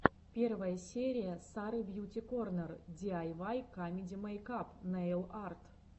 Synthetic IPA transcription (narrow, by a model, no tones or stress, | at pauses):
pʲervəjəsʲeɾʲɪjəsaɾɨbjutʲɪkornərdʲiajvajkamʲɪdʲimɐjkapnaelˠart̪